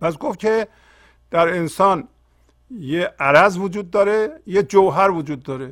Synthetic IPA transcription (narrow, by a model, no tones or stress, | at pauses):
pʰæs̬ɡofkʰe | d̪̥æɾensɒːn | jeʔæɾæzvud͡ʒuːd̪̚ːɒːɾejed͡ʒowɦæɾvud͡ʒuːd̪ːɒːɾe